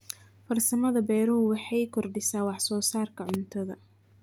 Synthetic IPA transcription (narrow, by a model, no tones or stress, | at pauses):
fɐrsɐmɐðɐbɛːɾɐɦʊwɑħɑjkʰɔrɖɪsaːwɑħsɔːsaːrkʰɐʕʊnt̪ʰɐðɐ̰